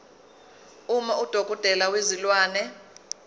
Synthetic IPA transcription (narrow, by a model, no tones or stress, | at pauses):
umɔʔud̥ʱoɡ̥ʱʼɔd̥ʼʱɛlawezilwaːnɛ